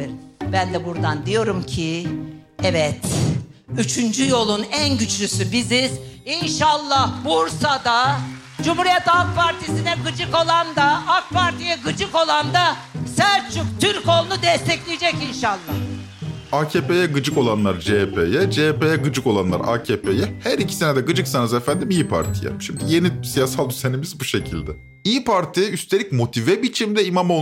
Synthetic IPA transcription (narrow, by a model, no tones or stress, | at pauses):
ɾbænd̪ɛbuɾd̪and̪ijo̞ɾumcʰi | ɛvɛt̪ | yt͡ʃʰynd͡ʒyjo̞lˠunænɟyt͡ʃʰlysybiziz̥inʃalˠːahbuɾsad̪a | d͡ʒumhuɾijɛt̪alˠk̚pʰaɾt̪ʰisinɛɡɯd͡ʒɯko̞lˠand̪aak̚pʰaɾt̪ʰijɛɡɯd͡ʒɯko̞lˠand̪asæɾt͡ʃʰykt̪ʰyɾkolˠnud̪ɛst̪ʰɛclʲijd͡ʒɛcinʃalˠːah | aːcʰeːpe̞jɛɡɯd͡ʒɯko̞lˠanlˠaɾd͡ʒepʰejɛd͡ʒepe̞jɛɡɯd͡ʒɯko̞lˠanlˠa̰ɾa̰ːcʰeːpʰejɛhæɾicʰi̥se̞ned̪ɛɡɯd͡ʒɯksanɯzefænd̪imiːpʰa̰ɾt̪ʰḭjɛ̰ʃimd̪ije̞nisijasalˠd̪yzenimizbuʃe̞cʰilʲd̪ɛ | ipʰaɾt̪ʰiyst̪ʰeicmo̞t̪ʰivɛbit͡ʃʰimd̪ɛimamo